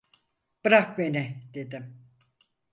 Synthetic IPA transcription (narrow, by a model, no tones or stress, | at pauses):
b̥ɯɾakmenɪd̪ed̪ɪm